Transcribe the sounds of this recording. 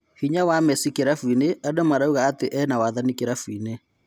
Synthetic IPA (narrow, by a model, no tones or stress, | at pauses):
hiɲawamɛsikeɾafwineadomaɾauɣaːteʔɛnawaðanikeɾafwine